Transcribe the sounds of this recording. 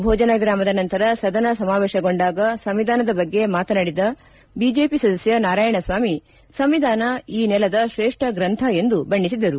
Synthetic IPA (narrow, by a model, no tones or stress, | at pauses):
bʱɔːd͡ʒɐnaːɡɾaːmɐd̪ɐnɐnt̪ɐɾɐsɐd̪ɐnɐsɐmaːʋeːʃɐɡo̞ɳɖaːɡɐsɐmʋid̪ʱaːnɐd̪ɐbɐɡːe̞maːt̪ɐnaɽid̪ɐ | biːd͡ʒe̞ːpisɐd̪ɐsjɐnaːɾaːjɐɳɐsʋaːmi | sɐmʋid̪ʱaːnɐiːnɛlɐd̪ɐʃɾeːʂʈɐɡɾɐnt̪ʰɐe̞nd̪ubɐɳːisid̪ɐɾu